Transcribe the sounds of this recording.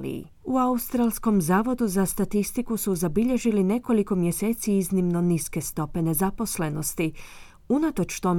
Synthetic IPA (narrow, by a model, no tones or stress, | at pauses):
ḭ | uaust̪ɾaːlsko̞mzaːʋo̞d̪uzast̪at̪ist̪ikusuzabiʎe̞ʒiline̞ko̞liko̞mje̞se̞ːt̪siiznimno̞niske̞st̪o̞pe̞ne̞zapo̞sle̞no̞st̪i | unat̪o̞t͡ʃt̪o̞m